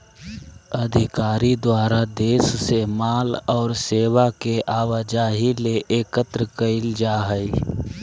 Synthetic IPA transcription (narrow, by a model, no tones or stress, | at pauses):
əd̪ʱɪkaːɾid̪waːɾad̪eːssemaːlɔːɾseːwakeʔaːwad͡ʒaːɦileʔeːkət̪ɾəkəɪld͡ʒaːɦəi